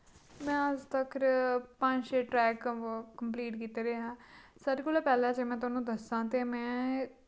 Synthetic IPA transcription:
mɛ̃ːəzt̪əkʰɾpə̃ɲd͡ʒʃeːʈɾɛːkkəmpliːʈkiːt̪eːɾɦãːsaːɾekoːlaːpɛːlãːt͡ʃemɛ̃ːt̪ʊaːnũːd̪əsãːt̪eːmɛ̃ː

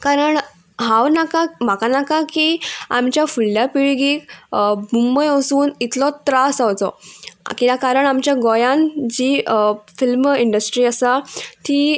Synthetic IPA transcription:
kaɾəɳ | ɦãwnakam̤akanakakia̰mt͡ɕjafulːjapiɭiɡiːkbumbəjəsuːnit̪lɔt̪ɾasawt͡sɔ̰kĩakaɾəɳamt͡ɕjaɡɔjãnd͡ʑifilmiɳɖəsʈɾiːəsat̪i

